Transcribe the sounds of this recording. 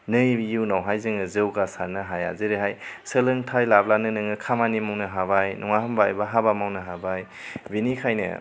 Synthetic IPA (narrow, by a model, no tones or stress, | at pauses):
nɯjjiwnawɦajzɯŋɯzɯwɡasaɾnɯɦaja̰zɯɾeɦajsəlɯŋtʰajlablanɯnɯŋɯkʰamanimawnɯɦaβajnʔɔŋahɯmbaj̰baɦabamawnɯɦabaj | binikʰajnɯ̰